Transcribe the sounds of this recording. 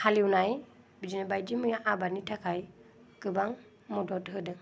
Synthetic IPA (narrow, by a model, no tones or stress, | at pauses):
haliunaj | bid͡ʒinabajdimɯjaʔabanitʰakʰaj | kɯbaŋ | mɔdɔtɦɯdɯ